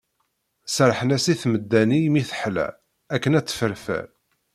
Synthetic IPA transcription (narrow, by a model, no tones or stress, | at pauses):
səɾˤħənæsiθməd̪ːænijmiθəħlæ̰ | ækːənæt͡sːə̥fəɾfæ̰ɾ